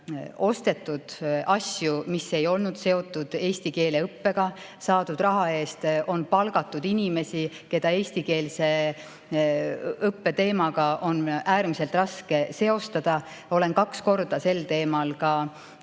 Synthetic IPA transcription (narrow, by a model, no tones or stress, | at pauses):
o̞st̪e̞t̪ːˑud̪̥ɑsjumise̞jo̞lnud̪̥se̞o̞t̪ˑːud̪̥e̞ːst̪ike̞ːle̞ɤpːe̞ɡ̥ɑ | sɑːd̪̥ud̪̥rɑɦɑe̞ːst̪ʔo̞npɑlɡɑt̪ːˑud̪̥inime̞si | ke̞d̪̥ɑe̞ːsʲt̪ike̞ːlse̞ | ɤpːe̞t̪e̞ːmɑɡɑʔo̞næːɾmise̞lt̪rɑske̞se̞o̞st̪ɑd̪̥ɑ | o̞le̞nkɑksko̞rd̪̥ɑse̞lt̪e̞ːmɑlkɑ